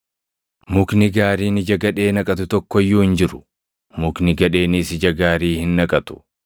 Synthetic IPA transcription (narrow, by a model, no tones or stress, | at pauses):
mʊknɪɡaːɾiːnɪd͡ʒɐɡɐᶑe̞ːnɐkʼɐt̪ʊt̪ɔkːɔjːuːhɪnd͡ʒɪɾʊ̥ | mʊknɪɡɐᶑe̞ːniːsɪd͡ʒɐɡaːɾiːhɪnːɐkʼɐt̪ʊ̥